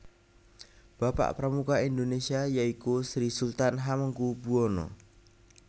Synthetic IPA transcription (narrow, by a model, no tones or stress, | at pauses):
b̥apa̰ʔpɾəmukaind̪onesiajaikusɾisult̪anɦaməŋkubuonɔ̰